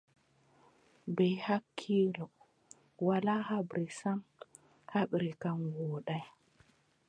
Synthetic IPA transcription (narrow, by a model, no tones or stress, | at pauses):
bɛjhakʰːiːɾɔ | walaːhabɾisam | haɓɾikamwɔːɗaj